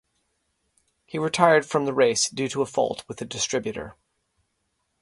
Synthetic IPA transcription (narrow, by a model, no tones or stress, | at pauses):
hiɹɨtʰaɪə˞d̥fɹʌ̃mðəɹeɪsd̥ʉɾəəfɔ̰lˠt̚ʰwɨðɨdɨstɹ̥ɪbjʉɾə̰˞